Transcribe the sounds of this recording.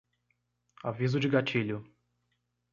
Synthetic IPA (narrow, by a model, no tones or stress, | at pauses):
avizʊd͡ʒɪɡat͡ʃiʎʊ